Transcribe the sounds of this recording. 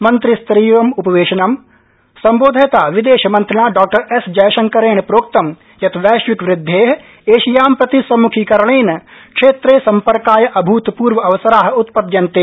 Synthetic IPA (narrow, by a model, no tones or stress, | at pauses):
mɐ̃nt̪ɾɪst̪ɾiːʋɐmʊpɐʋeːʃɐnɐm | sɐ̃mboːd̪ʱet̪aːʋɪd̪eːʃmɐ̃nt̪ɾɐnaːɖɔːk̚ʈɐɾesd͡ʒɐjʃɐŋkɐɾeːɳpɾoːk̚t̪ɐm | jɐt̪ʰʋɛːʃʋɪkʋɾɪd̪ʱːeːɦ | eːʃijaːmpɾɐt̪isɐmukʰikɐɾɳeːnkʃeːt̪ɾesɐ̃mpɐɾkaːjʔɐbʱuːt̪puːɾʋəɐʋɐsɐɾaːɦʊt̪pɐd̪jɐnt̪eː